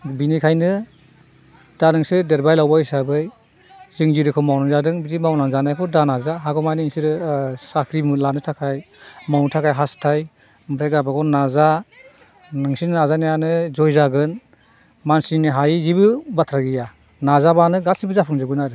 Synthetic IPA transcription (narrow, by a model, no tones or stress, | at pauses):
binikʰajnɯ | d̥anɯŋsɯdeɾbajlawbaisabɯj | zɯŋziɾɯkʰɔmawnaŋzadɯŋbidimawnaŋzanajkʰɔdanazaɦaɡɔmajnɯiŋsiɾɯsakʰɾimɯlanɯtʰakʰaj | mawntʰakʰajɦastʰaj | mɾeɡabakʰɔnaza | nɯŋsinnazanajanɯzɔjzaɡɯn | mansiiniɦajizibɯbatʰɾaɡija | nazabanɯɡasibɯzapʰuŋzɯɡɯnaɾɯ